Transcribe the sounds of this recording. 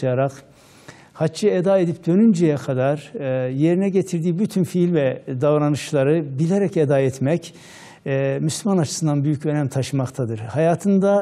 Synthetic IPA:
jaɾaq | hat͡ʃːɯed̪aːe̞d̪ip̚d̪ø̞nynd͡ʒɛjɛkʰad̪aɾje̞ɾinɛɟet̪ʰiɾd̪iːbyt̪ʰynfiːlʲvɛd̪avɾanɯʃlˠaɾɯbilʲeɾɛced̪aɛt̪mɛcː | myslʲymanat͡ʃʰɯ̥sɯnd̪anbyjycø̞nɛmt̪ʰaʃɯmakt̪ʰad̪ɯɾ̥hajaːt̪ʰɯnd̪a

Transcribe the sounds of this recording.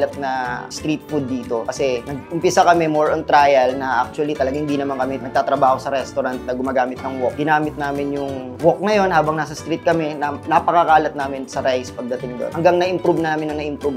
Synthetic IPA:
lɐt̪̚nɐst̪ɾit̪̚fud̪ːiːt̪o̞kɐsɛnɐɡ̚ʊmpɪsakɐmɛmoɹʔont̪ɾaːjɐlnɐʔak̚t͡ʃwɐlit̪ɐlɐɡahɪnd̪iːnɐmankɐmɛnɐɡ̪̚aːt̪ɾɐbaːho̞sɐɾɛst̪oɾant̪̚nɐɡʊmaːɡaːmɪt̪̚nɐŋwɔk̚ɡɪnaːmɪt̪̚naːmɪnjʊŋ | wok̚nɐjo̞nhaːbɐŋnaːsɐst̪ɾit̪̚kɐmɛnɐnɐpɐkɐkaːlɐt̪̚naːmɪnsɐɾajspɐɡ̚d̪ɐt̪ɪŋd̪o̰nhɐŋɡaŋnɐʔɪmpɾubnaːmɪnɐŋnɐʔɪmpɾub

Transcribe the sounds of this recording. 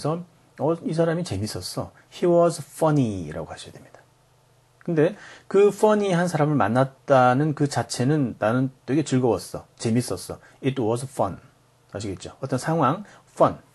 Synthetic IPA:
sʰʌ | ʌis̬ʰaɾamit͡ɕe̞mis͈ʌs͈ʌ | çiwʌsʰfʌniɾa̰ɡohaɕʰʌja̰dwemɲid̥ḁ | kɯnde̞kɯfʌɲiɦansʰaɾamɯɭma̰nːat̚t͈anɯnkɯt͡ɕat͡ɕʰe̞nɯnːanɯnt͈oweɡet͡ɕɯɭɡʌwʌs͈ʌt͡ɕe̞mis͈ʌs͈ʌ | itwʌs̬ʰfʌn | haɕʰiɡe̞t̚t͡ɕ͈oʌt͈ʌnsʰaŋɦwaŋf͈ʌn

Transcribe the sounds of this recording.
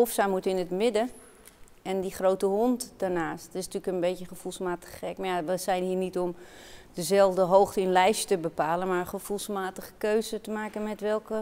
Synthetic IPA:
ofsamutɪnətmɪdə | ɛndiχrowtəɦontd̥arnaːstɪsntyələkənbetəχəfulˠsmaːtə̥χɛkmajaʋəsɛjnɦiːnitɔmdəzɛlˠvdəɦowxtəɪnlɛjʃtəbəpaːlənmaχəfulˠsmaːtəχə̥køɥzətəmaːkənmɛtʋɛlˠkə

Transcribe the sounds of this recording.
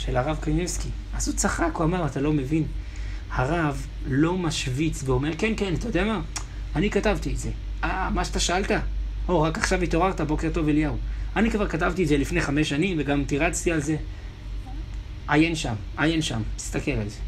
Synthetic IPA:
ʃelaʁavkajmevski | asut͡saχakuamaʁat̪alo̞me̞vinhaʁav | lo̞maʃvit͡sveo̞me̞ʁkenkenat̪ajo̞d̪eama | anikatavtietze̞ | amaʃat̪aʃaalta | o̞ʁakaχʃavito̞ʁaʁtabo̞ke̞ʁto̞veljauanikvaʁkatavtiedzelifneχame̞ʃanimveɡamtiʁat͡st̪ialze | ajenʃam | ajenʃa̰mist̪ake̞lalze̞

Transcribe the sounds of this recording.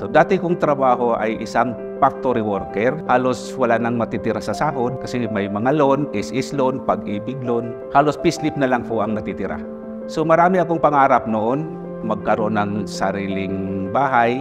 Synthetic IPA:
sod̪aːt̪ɪkʊŋt̪ɾɐbaːɦo̞ʔa̰jʔɪsaŋ | pak̚t̪oɾɪwoɾkɛɾhaːloswɐlaːnɐŋmɐt̪iːt̪ɪɾasɐsaːɦod̪̚kɐsɛmɐjmɐŋalonɪsʔɪslonpɐɡiːbɪɡ̚lon | haːlo̞spɪslɪp̚nɐlaŋpoʔɐŋnɐt̪it̪ɪɾa̰ | somɐɾaːmɪʔɐkoŋpɐŋaːɾap̚noʔon | mɐɡ̚kɐɾo̞nɐŋsɐɾiːlɪŋbaːɦaj

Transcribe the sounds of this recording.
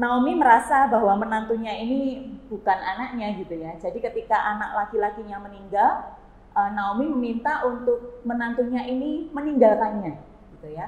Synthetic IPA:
naomiməɾasabaɦwamənant̪uɲainib̥ukananak̚ɲaɡit̪ujad͡ʒadikət̪ikaʔanak̚lakilakiɲaməniŋɡal | ʔənaomiməmint̪aʔunt̪ʊk̚mənant̪uɲaʔiniməniŋɡalkanɲa | ɡ̥it̪uja

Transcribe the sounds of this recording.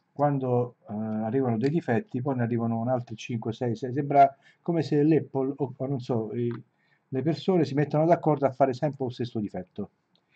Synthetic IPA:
kwand̪oarːiːvanod̪ɛjd̪ifɛt̪ːipɔjnearːiːvanonalt̪ɾɪt͡ʃiŋkwesɛjsɛs̬ɛmbɾa | komeselɛpːoloonːonsɔi | lepersoːnesimet̪ːanod̪akːɔrd̪oafːaːɾɪsɛmpɾɪust̪est̪ːod̪ifɛt̪ːo

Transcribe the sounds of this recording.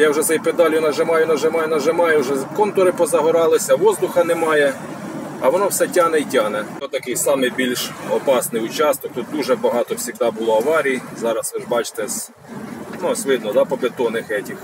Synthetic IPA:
jɑwʒɛsɛjped̪ɑlʲjʊnɐʒemɑjʊnɐʒɪmɑjʊnɐʒemɑjʊwʒɛkɔnt̪ɔɾɪpɔzɐɦɔɾɑlˠɪsʲɐʋɔzd̪ʊxɐnɛmɑjɛ | ɐ̰ʋɔnɔwsɛtʲɑnɛitʲɑnɛɔt̪ɐkɪjsɑmɪjbʲilʲʃɔpɑsnɪjʊt͡ʃɑst̪ɔk̚t̪ut̪̚d̪uʒɛbɐɦɑt̪ɔwsʲiɣd̪ɑbʊlˠɔɐʋɑɾʲijzɑɾɐsɪʒbɑt͡ʃt̪ɛs | nusʲʋɪd̪nɔd̪ɑpɔbʲet̪ɔnɪxɛtʲix

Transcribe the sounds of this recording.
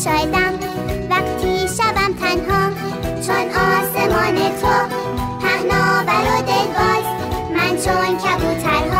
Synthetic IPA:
ʃɒːjed̪æm | væqt̪ʰiːʃæbæmt̪ʰænɦɒː | t͡ʃʰonɒːsemɒːnet̪ʰo | pʰæhnɒːbæɾod̪elɡɒːz | mænt͡ʃʰoncʰæbuːt̪ʰænhː

